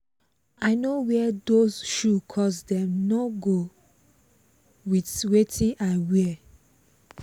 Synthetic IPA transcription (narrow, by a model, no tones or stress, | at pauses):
aɪnowɛdosʃukʰɔsdɛ̃mnɔɡo | widwetʰĩnʔawɛ